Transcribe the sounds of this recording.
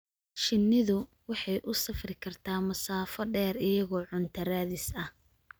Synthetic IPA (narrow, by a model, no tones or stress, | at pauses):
ʃɪnːɪðʊ | wɑħɑjʔʊsɐfrɪkʰɐrt̪ʰaːmɐsaːfɐɖɛːrɪjɐɣɔːʕʊnt̪ʰɐɾaːðɪsɐh